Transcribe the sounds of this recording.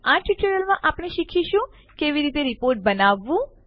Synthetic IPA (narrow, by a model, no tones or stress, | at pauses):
aʈiʈəɾəlmãʔapɳ̃eʃikʰiʃũ | keʋiɾit̪eɾipoɾʈ̚bənaʋːũ